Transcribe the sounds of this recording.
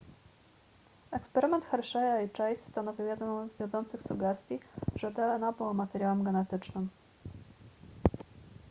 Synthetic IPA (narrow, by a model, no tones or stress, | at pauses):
ɛkspɛɾɘmɛnt̪xɛɾʂɛjait͡ʂɛjsːt̪anɔvʲiwjɛd̪nɔzvʲjɔnzɔnt̪sɘxsuɡɛst̪ʲjiʐ̥ɛd̪ɛlɛnabɘwɔmat̪ɛɾʲjawɛmɡɛnɛt̪ɘt͡ʂnɘm